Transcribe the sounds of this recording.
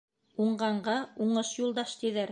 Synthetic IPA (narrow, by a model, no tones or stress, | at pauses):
uɴɢɑɴɢɑuɴɤʃjulˠd̪ɑʃt̪iðæɾ